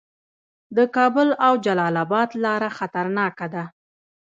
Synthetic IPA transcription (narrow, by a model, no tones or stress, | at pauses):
d̪əkɑbʊlawd͡ʒalɑlabɑd̪lɑɾaxat̪aɾnɑkad̪a